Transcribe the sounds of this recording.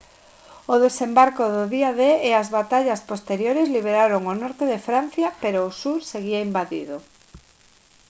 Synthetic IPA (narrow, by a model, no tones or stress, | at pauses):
oðesembaɾkoðoðiaðeːazβat̪aʎaspost̪eɾjoɾezliβ̞eɾaɾoŋonɔɾt̪eðefɾan̟θjapeɾoːsuɾseɣiaimbaðḭðo